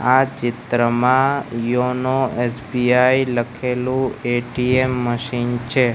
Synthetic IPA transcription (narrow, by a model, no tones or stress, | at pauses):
at͡ʃɪt̪ɾəmãjonoesbiailəkʰelũeʈiemːəʃint͡ʃʰe